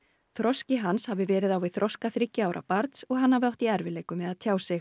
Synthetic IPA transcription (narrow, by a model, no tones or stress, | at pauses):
θɾɔscɪɦanshavɪvɛːɾɪðawiθɾʔɔskaθɾɪcːɪaːwɾʔa̰paɾt̪sɔɣɦanːavɪawht̪iɛɾvɪleːjkʏmɛðaðt̪ʰjaːwsɪx